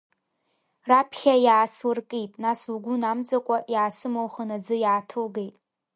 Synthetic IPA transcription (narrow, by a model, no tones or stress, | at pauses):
rapʰχʲajaːswɨrkʼijtʼnasuɡʷʊnamd͡zʼakʷʼajaːsɨmowχənad͡zɨjaːtʰɨlɡejtʼ